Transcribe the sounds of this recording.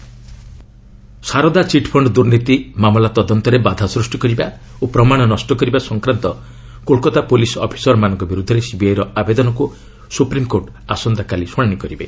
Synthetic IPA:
saɾɔd̪at͡ʃiʈpʰɔɳɖd̪uɾnit̪imamɔlat̪ɔd̪ɔnt̪ɔɾebad̪ʱasɾusʈikɔɾiba | opɾɔmaɽ̃ɔnɔsʈɔkɔɾibasɔŋkɾant̪ɔ | kolkɔt̪apolisɔ̰pʰi̥sɔɾmanɔŋkɔbiɾud̪ʱːɔɾesibejɾɔabed̪ɔnɔku | supɾimkoʈ | asɔnd̪akalisɔɽ̃aɽ̃ikɔɾibe

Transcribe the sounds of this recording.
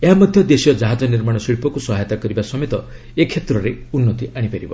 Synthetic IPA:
eɦamɔd̪ʱjɔd̪esijɔd͡ʒaɦad͡ʒɔniɾmaɽ̃ɔsiɭpɔkusɔɦajt̪akɔɾibasɔmet̪ɔ | ekʰːet̪ɾɔɾeunːɔt̪iaɽ̃ipaɾibɔ

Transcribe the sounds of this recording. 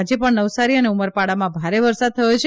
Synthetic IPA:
d͡ʒepəɳnəʋsaɾiəneuməɾpaɽamãbʱaɾeʋəɾsad̪̚t̪ʰəjot͡ʃʰ

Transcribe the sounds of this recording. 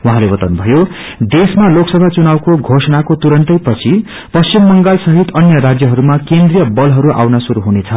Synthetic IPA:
waɦãlebʌt̪awnubʱʌjo | d̪esmaloksʌbʱat͡sunawkoɡʱosʌnakot̪uɾʌnt̪ʌjpʌt͡sʰi | pʌst͡ɕimːʌŋɡalsʌɦit̪ʌnjʌɾad͡zjʌɦʌɾumakend̪rijʌbʌlɦʌɾuʔa̰wnasuɾuɦunet͡sʰʌ

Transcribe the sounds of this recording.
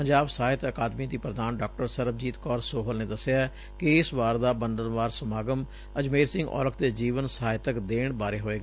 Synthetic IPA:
pəɲd͡ʒaːbsaːɪt̪əkaːd̪mid̪iːpɾəd̪aːnɖɔːk̚ʈəɾsəɾəb̚d͡ʒiːt̪kɔːɾsoːɦəlneːd̪əsɪjaː | kɪɪsʋaːɾd̪aːbənd̪ənʋaːɾsəmaːɡəm | əd͡ʒmeːɾsɪ̃ŋɡɔ̰ːləkʰd̪eːd͡ʒiːʋənsəaːɦɪt̪əkd̪eːɳ̃baːɾeːɦoːeːɡaː

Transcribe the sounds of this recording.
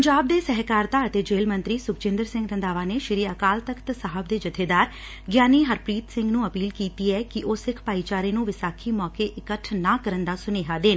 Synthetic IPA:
əɲd͡ʒaːb̚d̪eːsɛɦkaːɾt̪aːət̪eːd͡ʒeːlmə̃nt̪ɾiːsʊkt͡ʃɪ̃nd̪əɾsɪ̃ŋɡt̪ə̃nd̪aːʋaːneːʃɪɾiːəkaːlt̪əkʰt̪saɦəb̚d̪eːd͡ʒɪt̪ʰeːd̪aːɾ | ɡjaːniːɦəɾpɾiːt̪sɪ̃ŋɡnũːəpiːlkiːt̪iːɛːkɪʔʊsɪkʰpaːiːt͡ʃaːɾeːnũːʋɪsaːkʰiːmɔːkeːʔɪkəʈʰnaːkəɾənd̪aːsʊneːɦaːd̪eːn

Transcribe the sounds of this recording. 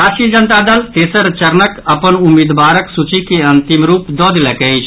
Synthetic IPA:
aʃid͡ʒənt̪ad̪əlt̪esəɾt͡ʃəɾnəkəpənumid̪ʋaːɾəksut͡ʃikeɐnt̪imɾuːpd̪ɔd̪lɛkət͡ʃʰ

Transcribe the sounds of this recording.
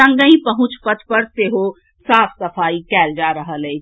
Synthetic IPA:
ə̃ŋɡə̃ĩpəɦũt͡ʃpət̪ʰpəɾseɦo | sapʰsəpʰaikɛld͡ʒaɾəɦəlɛːt͡ʃʰ

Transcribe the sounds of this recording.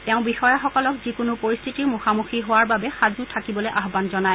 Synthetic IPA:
teʊ̃bixɔjaxɔkɔlɔkzikʊnʊpoɹist̪ʰitiɹmuxamuxiɦowaɹbabɛxazutʰakibɔlojʔaɦbanzɔnaj

